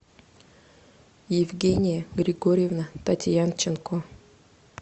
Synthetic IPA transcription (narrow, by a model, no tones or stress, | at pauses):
jɪvɡʲenʲɪjəɡɾʲɪɡoɾʲɪjevnət̪atʲjant͡ɕɪnko